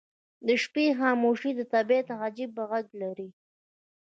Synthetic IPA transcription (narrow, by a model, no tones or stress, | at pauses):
d̪əʃpexɑːmoʃid̪ət̪abet̪ɦad͡ʒib̚ːaɣaɡlaɾi